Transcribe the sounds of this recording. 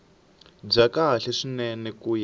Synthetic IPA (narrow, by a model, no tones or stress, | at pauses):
b͡ʐakaɬɛʂinɛnɛkuja